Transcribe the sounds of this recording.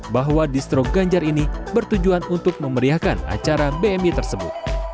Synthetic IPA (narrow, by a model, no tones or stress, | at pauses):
baɦwadist̪ɾoɡaɲd͡ʒaɾinibərt̪ud͡ʒuanunt̪ʊk̚məməɾiahkana̰t͡ʃaɾabeɛmit̪ərsəbʊ̰t̪̚